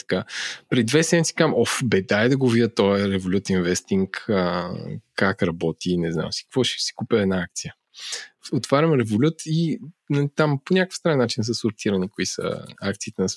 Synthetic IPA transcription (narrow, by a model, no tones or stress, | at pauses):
t̪ɐ̥kapɾid̪vɛsɛmʲit̪si̥kamʔɔfbɛd̪aɛd̪ɐɡovid̪ʲət̪ɔjəɾɛvolʲut̪invɛst̪iŋkəkːakɾɐbɔt̪inɛzna̰msi̥kəkvɔʃɛ̥si̥kupʲɛɛd̪naak̚t̪sijə | ot̪vaɾʲɐmɾɛvolʲut̪inɐit̪amponʲakə̥fst̪ɾannːat͡ʃins̬əsʊɾt̪iɾɐnikoisə̰ak̚t̪siːt̪ɛnɐs